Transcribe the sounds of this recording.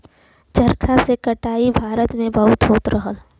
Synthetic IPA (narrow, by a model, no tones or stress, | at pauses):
t͡ʃəɾkʰasekɐʈaːibʱaːɾət̪mẽbəɦʊt̪ɦoːt̪ɾəɦəl